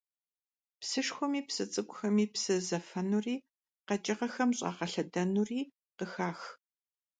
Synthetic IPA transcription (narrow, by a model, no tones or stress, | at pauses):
psɨʂxʷʊmiːpsɨt͡sʼɨɡʷʼʊxɐmiːpsɨzɐfɐnuriː | qɐt͡ʃʼɪʁɐxɐmɕʼɑ̰ːqɐɬɐdɐnuriː | qəxaːx